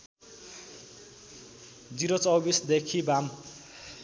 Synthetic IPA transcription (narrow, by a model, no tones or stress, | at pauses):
d͡ziɾot͡sʌwbisd̪ekʰibam